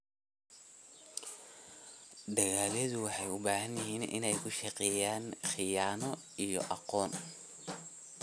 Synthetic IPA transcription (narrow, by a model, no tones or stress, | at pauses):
d̪ɐɣaːlɛðʊwɑħɑjʊbaːɦɐnjɪɦiːnʔɪ̰nɛjkʰʊʃɐqɛːjaːnxɪjaːnɔ | ijɔ̰ʔɑqɔːn